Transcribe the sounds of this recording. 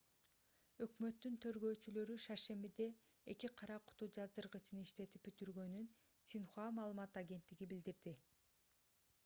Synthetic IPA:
ø̞kmø̞t̪ːynt̪ʰø̞ɾɡø̞ːt͡ʃylø̞ɾyʃɑʃe̞mbid̪e̞ | ekiqʰɑɾɑqʰu̥t̪ud͡ʒɑzd̪ɯɾʁɯt͡ʃʰɯniʃt̪e̞t̪ip̚byt̪yɾɡø̞nyn | sinχoamɑːlˠɯmɑt̪ɑɡʲe̞nt̪ːiɡibild̪iɾd̪i

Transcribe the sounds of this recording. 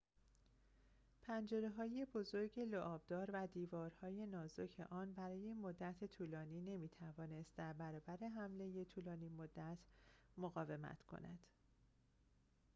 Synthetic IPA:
pʰænd͡ʒe̞ɾe̞ɦɒːje̞bo̞zo̞ɾɟe̞loʔɒːb̚d̪ɒːɾvæd̪iːvɒːɾhɒːje̞nɒːzocʰḛʔɒːnbæɾɒːjemod̪ːæt̪ʰet̪ʰuːlɒːniːne̞miːt̪ʰævɒːne̞st̪̚d̪æɾbæɾɒːbæɾe̞ɦæmle̞je̞t̪ʰuːlɒːnimod̪ːæt̪ʰmoɣɒːve̞mæ̰t̪ʰkʰo̰næ̰d̪̥

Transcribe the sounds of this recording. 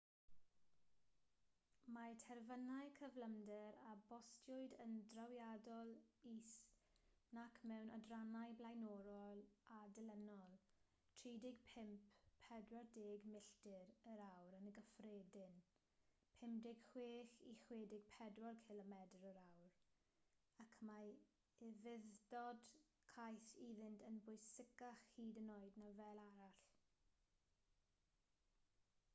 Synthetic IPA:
matʰɛrvənajkʰəvləmdɛɾabɔstʰjʊɨdəndrawjadɔlˠis | nakʰmɛwnɔ̰dranajblˠajnɔɾɔlˠadɛlɛnɔlˠ | tʰriːdɪɡ̥̚pʰɪmpʰɛdwɔrdeːɡmɪɬtɪɾəɾawɾənəɡəfreːdɪn | pʰɪmdɪɡ̥χweːχiχweːdɪɡ̥̚pʰɛdwɔlˠkʰɪlɔmɛdrəɾawr | akʰma | ɪvɪðdɔd̥ | kʰajθiðɪntʰənbʊjsɪkaχhiːdənoːɨdnavɛːlˠaɾaɬ

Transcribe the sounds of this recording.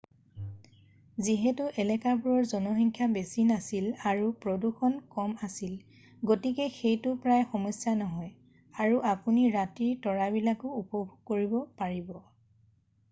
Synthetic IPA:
ziɦɛtʊʔɛlɛkabuɹɔɹzɔnɔxɔŋkʰjabesinasilaɹupɹoduxɔnkɔmasil | ɡotikɛxejtʊpɹajxɔmɔsjanɔɦɔj | aɹuʔapuniɹatiɹtɔɹabilakʊːpɔbʱuɡ̚koɹibɔpaɹibɔ

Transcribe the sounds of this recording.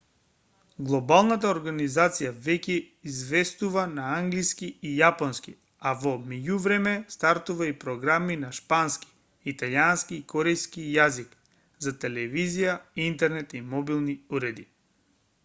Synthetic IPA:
ɡlˠɔbalˠnat̪aoɾɡanizat̪sijavɛcɛ | izvɛst̪uvanaaŋɡliskiijapɔnskḭ | avɔmɛɟuvɾɛmɛst̪aɾt̪uvaipɾɔɡɾaminaʃpanski̥ | it̪alianskiːkɔɾɛjskijazik | zat̪ɛlɛvizijaint̪ɛɾnɛt̪imɔbilˠniuɾɛd̪i

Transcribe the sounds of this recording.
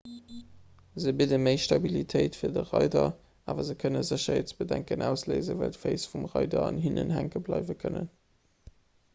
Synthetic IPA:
zəbidəməɪʃtɑbilitʰəɪtfiːɐdəʁɑɪdɐ | ʔaːvɐzəkʰənəzəɕɐett͡sb̥ədæŋkənʔæʊsleɪzəvæ̰ltfeɪsfumʁɑɪdɐɑnɦinʔənhæŋkəblɑɪvəkʰənə̰n

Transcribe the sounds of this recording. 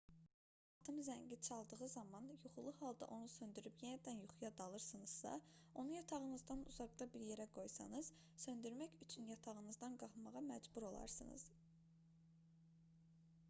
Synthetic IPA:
ɑt̪ʰɯmzæɲɟit͡ʃʰɑlˠd̪ɯʁɯzɑmɑnjuχulˠuhɑlˠd̪ɑ̰ʔo̞nusø̞nd̪yɾypjenæd̪ænjuχujɑd̪ɑlˠɯɾsɯnɯz̥sɑ̰ | o̞nujɑt̪ʰɑʁɯnɯzd̪ɑnṵzɑɡd̪ɑbiɾje̞ɾæɡo̞jsɑ̰nɯz̥ | sø̞nd̪yɾmæçyt͡ʃʰynjɑt̪ʰɑʁɯnɯzd̪ɑnɡɑχmɑʁɑmæd͡ʒbuɾo̞lˠɑ̰ɾsɯnɯ̰z̥

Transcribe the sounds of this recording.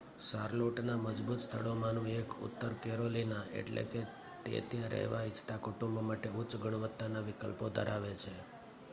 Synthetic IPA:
saɾloʈnaməd͡ʒbut̪st̪ʰəɭomãnũekʊ̰t̪ːəɾkeɾolinaḛʈlḛke | t̪ḛət̪jãɾʔə̰ɦʋait͡ʃt̪akuʈũmbmaʈeut͡ʃɡəɳ̃ʋət̪ːanaʋɪkə̰lpod̪ʱə̰ɾaʋet͡ʃʰe

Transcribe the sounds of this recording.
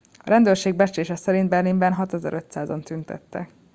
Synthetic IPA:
ɒɾɛnd̪øːrʃeːɡ̚bɛt͡ʃeːʃɛsɛɾint̪̚bɛrlimbɛnɦɒt̪ɛzɛ̰ɾʔø̞t̪saːzo̞nt̪ynt̪ɛ̰t̪ːɛ̰

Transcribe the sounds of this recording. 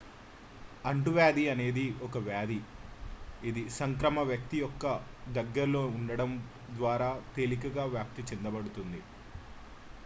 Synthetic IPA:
ɐɳʈuʋjaːd̪iɐne̞ːd̪iɔkɐʋjaːd̪i | id̪isɐŋkɾɐmɐʋjɐk̚t̪ijɔkːɐ | d̪ɐɡːɐɾlo̞ːuɳɖɐɽɐm | d̪ʋaːɾaːt̪eːlik̬ɐɡaːʋjaːk̚t̪it͡ʃind̪ɐbɐɽut̪und̪i

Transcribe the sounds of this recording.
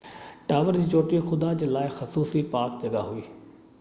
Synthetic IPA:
ʈaːʋəɾd͡ʑiːt͡ʃoːʈixʊd̪ad͡ʑəlaːɪxɐsuːsipaːk̚d͡ʑɐɡaɦʊiː

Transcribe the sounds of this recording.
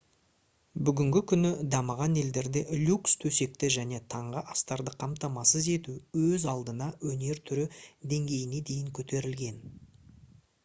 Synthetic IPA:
bʏɡʲɪŋɡʲɪkʲʰʏnɪd̪ɑməʁɑne̞ld̪e̞ɾd̪e̞lʲukst̪ʰɵse̞k̚t̪ɪʒæne̞t̪ʰɑɴʁəʔɑst̪ɑɾd̪əqʰɑmt̪ɑmɑsəze̞t̪uwɵzɑlˠd̪ənɑwɵne̞ɾt̪ʰʏɾɪd̪e̞ŋɡʲe̞jɪne̞d̪e̞jɪŋkʲʰɵt̪e̞ɾɪlɡʲe̞n

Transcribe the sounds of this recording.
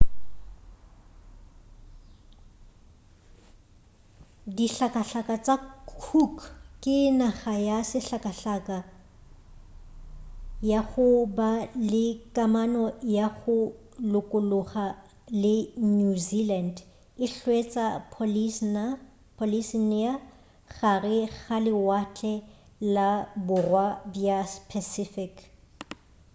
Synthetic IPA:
diɬakʼaɬakat͡sʼakʰukkʼɪnaχajasɪɬakʼaɬakʼa | jaχʊbalɪkʼamanɔjaχʊ | lʊkʼʊlʊχa | lɪnuziland | ɪɬwet͡sʼapʰ | pʰolisinia | ɣarɪɣalɪwat͡ɬʼɛ | labʊrwabjaspʰɛsɪfɪk

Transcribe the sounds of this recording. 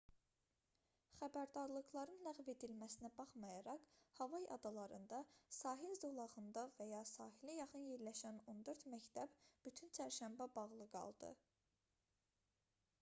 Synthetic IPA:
χæbæɾd̪ɑɾlˠɯɣlˠɑɾɯnlæɣve̞d̪ilmæsinæbɑχmɑjɑɾɑqhɑvɑjɑ̰d̪ɑlˠɑɾɯ̰nd̪ɑsɑːɦilzolˠɑʁɯnd̪ɑvæjɑsɑːɦilijɑχɯnjeɾlæʃæno̞nd̪øɾt̪mæct̪ʰæb̥byt̪ʰynt͡ʃʰæɾʃæmbæbɑʁlˠɯɡɑ̰lˠd̪ɯ̰

